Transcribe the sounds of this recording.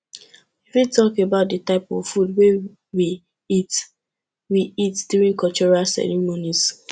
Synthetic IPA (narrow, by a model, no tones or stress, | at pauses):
ifitɔkebaʊt̚dətaɪpɔ̰vfud̚we | wi | it | wiitd̥juɹĩŋkɔt͡ʃɔɹasɛ̰ɹimonis